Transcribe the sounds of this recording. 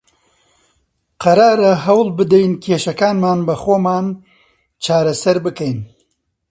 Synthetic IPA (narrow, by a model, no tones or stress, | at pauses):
qʰɐɾaːɾɐɦɐwlˠbɨd̪ɛjnkʰeːʃɐkaːnmaːnbɐxoːmaːn | t͡ʃʰaːɾɐsɐɾbɨkɛjn